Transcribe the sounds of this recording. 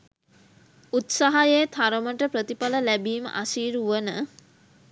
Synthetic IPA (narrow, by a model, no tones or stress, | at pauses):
ut̪saɦajejt̪ʰaɾəməʈəpɾət̪ipaləlæbiːmə̰ʔasiːɾuʋənə